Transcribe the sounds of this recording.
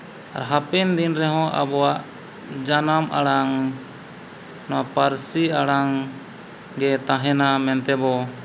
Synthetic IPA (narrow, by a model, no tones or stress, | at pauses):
a̰ɾɦapɛnd̪inɾɛɦɔ̃ʔa̰bɔwaʔ | d͡ʒanama̰ɽaŋ | nɔwapaɾsiaɽaŋ | ɡɛt̪ãɦɛnamɛnt̪ɛbɔ